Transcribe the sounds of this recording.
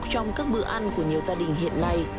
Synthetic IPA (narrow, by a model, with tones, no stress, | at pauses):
t͡ɕɔ˧wŋ͡mkaː˦˥k̚ɓɨ̰˧˥ʔa˧jŋku˧˩əɲi˨˩əwzaː˧ɗï˧˩ŋ̟ɦḭ˧˨ənːa˧j